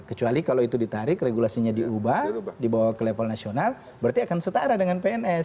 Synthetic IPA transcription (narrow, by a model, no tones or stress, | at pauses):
kət͡ʃualikaloit̪udit̪aɾɪkreɡulasiɲadiubahdibawakəlepalnasional | bərt̪iakansət̪aɾadəŋanpeɛnɛ